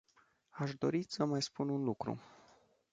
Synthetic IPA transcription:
aʃd̪o̞̰ɾisəmajspununlukɾṵ

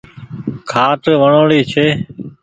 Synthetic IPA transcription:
kʰaːʈʋəɳoːɽiːt͡ʃʰeː

